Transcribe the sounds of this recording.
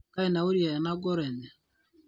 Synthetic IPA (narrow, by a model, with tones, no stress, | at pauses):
ka˦i˦na˨o˦ɾi˦a˨ɛ˨na˦ɡɔ˦ɾɛ˨nɛ˨